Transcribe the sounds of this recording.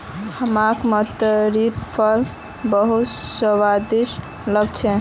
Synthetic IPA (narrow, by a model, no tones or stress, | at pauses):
həmakmət̪əɾit̪pʰəl | bəɦut̪səwad̪is | ləɡ̚t͡ʃʰɛ